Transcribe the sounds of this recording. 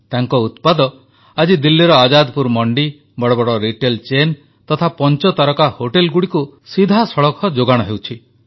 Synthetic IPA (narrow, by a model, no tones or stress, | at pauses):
t̪aŋkɔut̪pad̪ɔ | ad͡ʒid̪ilːiɾɔad͡ʒad̪puɾmɔɳɖi | bɔɽɔbɔɽɔɾiʈelt͡ʃen | t̪ɔt̪ʰapɔnt͡ʃɔt̪aɾɔkahoʈelɡuɽikusid̪ʱasɔɭɔkʰɔd͡ʒoɡaɽ̃ɔɦewt͡ʃʰi